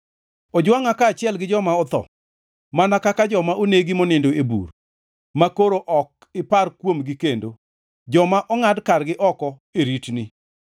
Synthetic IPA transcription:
ɔd͡ʒwaŋakaːt͡ʃɪɛlɡɪd͡ʒɔmaɔt̪ɔ̰ | manakakad͡ʒɔmaʔoneɡimonɪndoebṵr | makoɾoʔɔk̚ | ɪparkwomɡikendo | d͡ʒɔmaʔɔŋadkarɡɪʔɔkɔ | eɾitni

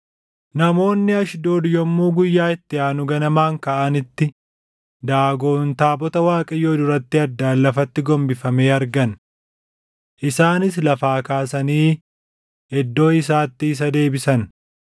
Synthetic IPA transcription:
nɐmo̞ːnːɪɐʃd̪oːd̪ɪjɔmːuːɡʊjːaːɪt̪ːɪaːnʊɡɐnɐmaːŋkɐʔɐnɪt̪ːɪ | d̪aːɡo̞ːnt̪aːbɔt̪ɐwaːkʼɐjoːd̪ʊɾɐt̪ːɪɐd̪ːaːlːɐfɐt̪ːɪɡɔmbɪfɐme̞ːɐɾɡɐn | ʔɪsaːnɪs̬lɐfaːkaːsɐniː | hɛd̪ːo̞ːɪs̬aːt̪ːɪːs̬ɐd̪e̞ːbɪsɐn

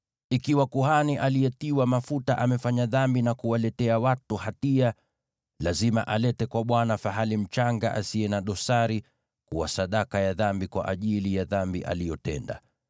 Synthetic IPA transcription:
ikiwakuhaniʔalijɛtiwamafutaʔamɛfaɲaðambinakuwalɛtɛawatuhatia | lazimaʔalɛtɛkwaɓwanafaɦalim̩t͡ʃaŋɡa̰ʔasiɛnaɗɔsaɾi | kuwasaɗakajaðambikwa̰ʔaʄilijaðambiʔa̰lijɔtɛ̰nda̰

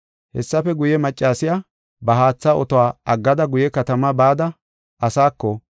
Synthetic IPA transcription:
hɛ̰sːɐfɛɡʊjɛmɐt͡ʃʼːaːsɪja | bɐɦaːt͡sːaʔɔt̪ɔwaːʔɐɡːɐd̪ɐɡʊjɛkɐt̪ɐmɐbaːd̪ɐ | ʔɐsaːkːɔ

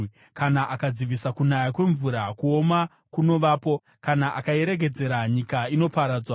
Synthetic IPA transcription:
kanaʔakad͡ziʋisakunajakwe̞ɱvuɾakuoma | kuno̞ʋaːpo̞ | kanaʔakaeɾe̞ɡ̬e̞d͡ze̞ɾaɲikaino̞paɾad͡zwa

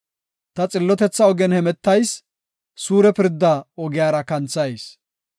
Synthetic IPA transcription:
t̪ɐt͡sʼɪlːɔt̪ɛt͡sːɐɔɡɛnhɛmɛt̪ːɐjs | suːɾɛpɪɾd̪ːɐɔɡɪjaːɾɐkɐnt͡sːɐjs

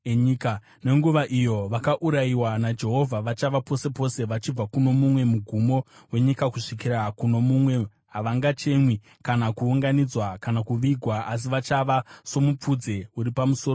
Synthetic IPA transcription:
eɲika | ne̞ŋɡuʋaʔijo̞ʋakaʔuɾaiwanad͡ʒe̞ɦo̞vʱaʋat͡ʃaʋapo̞se̞po̞se̞ʋat͡ʃib͡vakuno̞mumwe̞muɡʱumo̞we̞ɲikakuʂikiɾakuno̞mumwe̞ | ɦaʋaŋɡat͡ʃe̞mwi | kanakuuŋɡanid͡zwakanakuʋiɡʱwaas̬iʋat͡ʃaʋaso̞mup͡fud͡ze̞uɾipamuso̞ːr

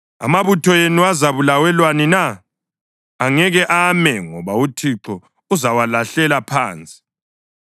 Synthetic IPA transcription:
a̰maβutʰɔjenuazaβulawɛlwanina | ŋɛɣɛʔamɛŋɔβautʰiǁɔ | uzawalaɬɛlapʰa̰ːnt͡sʼi̥

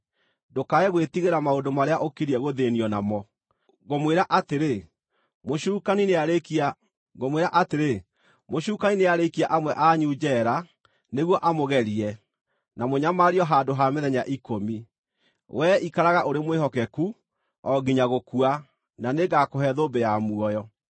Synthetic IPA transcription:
dokaɛɣwetiɣeɾamaondomaɾeaʔokiɾiɛɣoðeniɔnamɔ | ɣomweɾaʔateɾe | moʃuːkanineaɾekia | ɣomweɾaʔateɾe | moɕuːkanineaɾekiaʔamwɛʔaɲud͡ʒɛɾa | neɣwɔʔamoɣɛɾiɛ | namoɲamaɾiɔɦandoɦameðɛɲaʔikomi | wʔɛikaɾaɣaʔoɾemwehɔkɛku | ɔɡiɲaɣokua | naneɡakoɦɛðobɛjamuɔjɔ

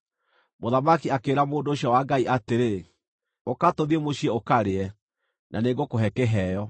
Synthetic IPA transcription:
moðamakiakeɾamoːndoːɕjawaɡaiʔateɾe | okatɔðiɛmoɕiɛokaɾeɛ | naneɡokoɦɛkɛɦɛːjɔ

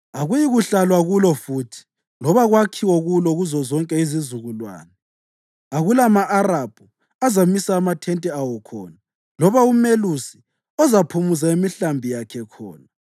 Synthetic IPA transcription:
aɣujiɣuɬalwaɣulɔfuːtʰi̥ | lɔβaɣwakʰiwɔɣulɔɣuzɔzɔŋkʼɛizizuɣulwa̰ːnɛ | aɣulamaʔaɾab̥ʱu | azamisaːmatʰɛntʼɛawɔkʰɔ̰ːna | lɔβaumelusi̥ | ɔzapʰumuzaimiɬambʱijakʰɛkʰɔ̰ːna

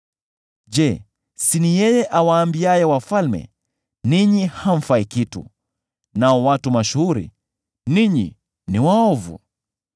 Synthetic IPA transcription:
d͡ʒɛ | sinijɛjɛʔawaːmbiajɛwafalmɛ̰ | niɲihaɱ̩faikitṵ | naɔwatumaʃuhuɾḭ | niɲḭ | niwaɔvṵ

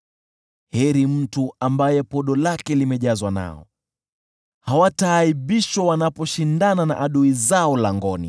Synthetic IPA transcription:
hɛɾim̩tuambajɛpɔɗɔlakɛlimɛʄazwana̰ɔ̰ | hawataːiɓiʃwawanapɔʃindanana̰ʔaɗuizaɔlaŋɡɔnḭ

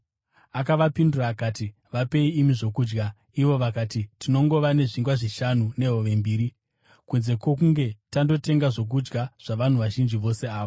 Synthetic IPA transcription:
akaʋapinduraːkaːti | ʋape̞iːmiʐo̞kuːd͡ʒɡa | iʋo̞ʋakatitino̞ŋɡo̞ʋane̞ʐiŋɡwaʐiʃanune̞ɦoʋe̞mbiːɾi | kunze̞kwo̞kuŋɡe̞tando̞te̞ŋɡaʐo̞k̬ud͡ʒɡaʐ̥aʋan̤uʋaʒind͡ʒiʋo̞se̞aːʋo

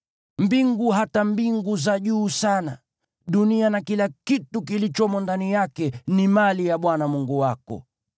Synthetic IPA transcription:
mbiŋɡuɦatambiŋɡuzaʄuːsana̰ | ɗunianakilakitukilit͡ʃɔmɔndanijakɛnimalijaɓwanamuŋɡuwakɔ̰

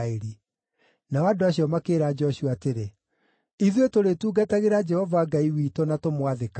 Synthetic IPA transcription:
eɾi | naɔadoaɕjɔmakeːɾad͡ʒɔɕuateɾe | iðwetoɾetuːɡataɣeɾad͡ʒɛhɔvaːɡaiwiːtɔnatomwaðeka

